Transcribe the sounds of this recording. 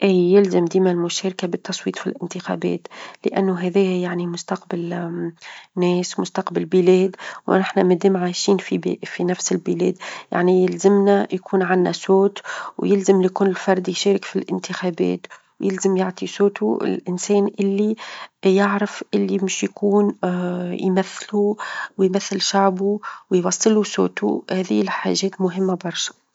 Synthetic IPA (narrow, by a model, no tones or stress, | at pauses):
ʔiːjɪlzamd̪iːmælmʊʃɛːɾkabɪt̪ːɑsˤwiːt̪ˤfilʔɪnt̪ɪxæ̰bɛ̰ːt̪lɪ̰ʔænːʊɦɛðɛːjæjaʕnimʊst̪ɑqbal | nɛːsmʊst̪ɑqbalbɪlɛːd̪w̰nɪħnæmæd̪iːmʕaːʃiːnfibfinæfsɪlbɪlɛ̰ːd̪ja̰ʕnijɪlzɪmnæjkʰuːnʕanːæsoːt̪wjɪlzɪmlkuːnɪlfɑɾˤd̪jʃeːɾɪkfilʔɪnt̪ɪxæːbɛ̰ːt̪ | wjɪlzəmjɪʕt̪ˤisoːt̪uɪ̰lʔɪnsɛːnʔɪlːijɪʕɾɪfʔɪlːimɪʃjkuːn | jmæθːluwjmæθːɪlʃaʕbuwjwɑsˤːɨluso̰ːt̪uhæːðiːɪlħa̰ːʒːɛːt̪mʊɦɪmːabɑɾˤʃḁ